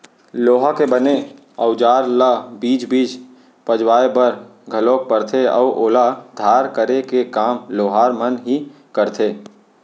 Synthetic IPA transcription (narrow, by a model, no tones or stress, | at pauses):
loːɦakebəne | ɔʊd͡ʒaːɾlabiːd͡ʒbiːd͡ʒ | pəd͡ʒwaːebəɾ | ɡʱəloːk̚pəɾt̪ʰeɔ̰ʊʔoːlad̪ʱaːɾkəɾekekaːmloːɦaːɾmənɦi | kəɾt̪ʰeː